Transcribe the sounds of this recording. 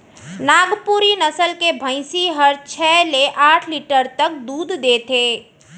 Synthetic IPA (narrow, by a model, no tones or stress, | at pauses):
naːɡpuɾinəsəlkebʱə̃ɪ̃siɦəɾt͡ʃʰɛːleʔaːʈʰliʈəɾt̪ək̚d̪uːd̪ʱd̪eːt̪ʰeː